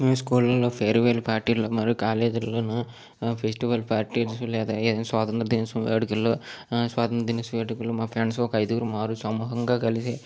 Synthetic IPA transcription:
iskuːlɐlopʰeːɾʋeːlpaːɾʈiɾlɐmaːɾukaːleːd͡ʒɐɾlɐnɐ | pʰesʈiʋɐlpaːɾʈiɾsuleːd̪ɐeːɐnsʋaːt̪ɐnd̪ɾɐd̪inɐsuʋeːɖkɐlːosʋaːt̪ɐnd̪ɾɐd̪inɐsʋeːɽukɐlumaːpʰɾeːnsoːkɐjd̪uːɾmaːɾusɐmuɦɐŋɡaːkɐlisi

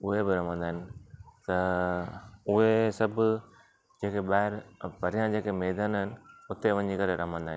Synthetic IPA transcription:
ʊɦebɪɾɐmə̃nd̪aːɪnɪ̆t̪ɐ | ʊɦesɐbʱʊ | d͡ʑeːkeɓaːɦɪɾpɐɾijãd͡ʑeːkemeːd̪aːnɦɪnɪ̆ʊt̪eʋɐ̃ɲd͡ʑikɐɾeɾɐmə̃nd̪aːɦɪ̃nɪ

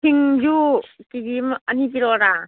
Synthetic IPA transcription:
kʰiŋd͡ʒukiɡimɐnip̬iɾoɾa

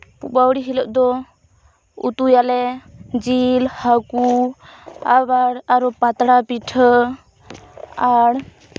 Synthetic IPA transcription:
pṵbawɽiɦilɔʔ̚d̪ɔ | ṵt̪ujalɛd͡ʒilhaku | abaɽaɾɔpat̪ɽapiʈʰə | aɽ

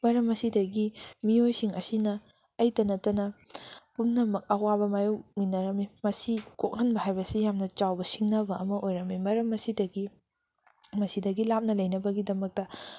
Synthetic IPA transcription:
mɐɾɐmɐsidɐɡimiojsiŋɐsinɐ | ɐjtɐnɐtɐnɐpumnɐmɐk̚ɐwabɐmajuwminɐɾɐmimɐsikok̚hɐnbɐɦajbɐsijamnɐt͡ʃawbɐsiŋnɐbɐɐmɐʔojɾɐmimɐɾɐmɐsidɐɡi | mɐsidɐɡilap̚nɐlɐjnɐbɐɡidɐmɐk̚tɐ

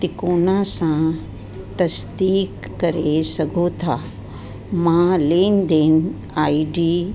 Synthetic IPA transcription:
t̪ɪkoːnãsã | t̪ɐsd̪iːkːɐɾesɐɡʱot̪ʰaː | mãːleːnd̪eːn | aːiɖiː

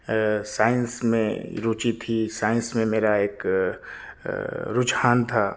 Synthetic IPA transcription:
saːə̃nsmḛ̃ɾuːt͡ʃit̪ʰisaːə̃nsmẽmeːɾaeːk | ɾʊd͡ʒhaːnt̪ʰaː

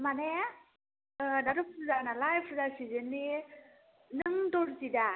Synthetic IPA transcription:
mane | daɾɯpʰɾuzanalajpʰɾɯzasizɯnːi | nɯŋdɔɾzida

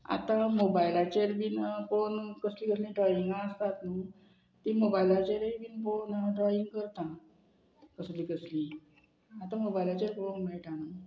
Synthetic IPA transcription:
a̰t̪ãmobajlat͡ɕeɾbiːnkonkəslĩkəs̬lĩɖɾɔjiŋɡãːst̪at̪nu | t̪imobajlat͡ɕeɾeibiːnponɖɾɔiŋɡkəɾt̪ã | kəslĩkəslĩ | at̪ãmobajlat͡ɕeɾkonmaʈanə

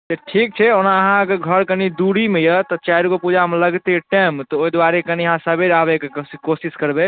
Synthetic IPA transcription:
seʈʰik̚t͡ʃʰɛonaəɦãəɡəɾɡʱəɾkənid̪uɽimejət̪ɔt͡ʃaɾukopud͡ʒʱameləɡt̪eʈemt̪ɔoid̪waɾekəniɦãsəbʱeɾabekekosiskəɾbe

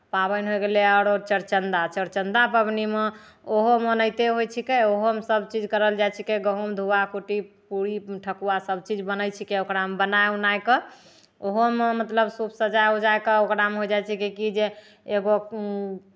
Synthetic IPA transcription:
pabənɦojɡeleaɾoɾt͡ʃəɾt͡ʃənd̪at͡ʃəɾt͡ʃənd̪apəbnime | oɦomənəjt̪eɦojt͡ʃʰikeoɦomesəbt͡ʃid͡ʒkəɾəld͡ʒajt͡ʃʰikeɡəɦumd̪ʱuakuʈipuɾiʈʰəkuwasəbt͡ʃid͡ʒbənəjt͡ʃʰikeokɾamebənajunajkə | oɦomemət̪ləbsupʰsəd͡ʒajod͡ʒajkəokɾameɦojd͡ʒajt͡ʃʰikekid͡ʒe | eɡo

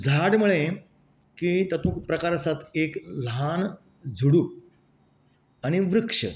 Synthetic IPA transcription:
d͡zʱaɽməɭe | kit̪ət̪ũːkpɾəkaɾəsat̪eklɦan | d͡zʱuɽuː | añiʋɾukʂə̰

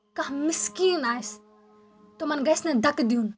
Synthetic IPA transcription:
kɐɦmɪskiːnaːjs | t̪omɐnɡɐjsned̪ɐkd̪iun

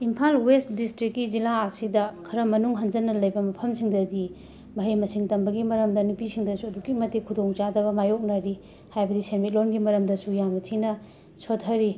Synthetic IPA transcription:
impʰalwest̚distɾikːid͡ʒilaɐsidɐkʰɐɾɐmɐnuŋɦɐnd͡ʒɐnːɐlɐjbɐmɐpʰɐmsiŋdɐdi | mɐɦijmɐsiŋtɐmbɐɡimɐɾɐmdɐnupisiŋdɐsuɐdukimɐtekʰudoŋt͡ʃadɐbɐmajok̚naɾi | hajbɐdisenmit̚lonɡimɐɾɐmdɐsujamɐtʰinɐ | sotʰːɐɾi

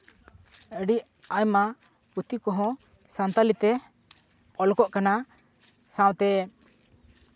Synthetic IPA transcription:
əɖi | ajma | put̪ikɔɦɔ̃ | sant̪alit̪ɛ | ɔlɔkɔʔkana | sãw̃t̪ɛ

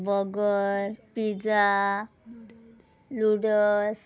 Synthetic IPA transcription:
bɔɡɔɾpid͡za | luɽɔs

